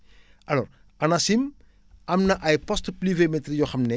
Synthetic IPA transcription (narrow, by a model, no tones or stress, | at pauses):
ʔɐlɔ̰ːɾ | ɐnɐsim | ɐmnɐʔɐjpɔstplivemɛtrijɔxɐmnɛ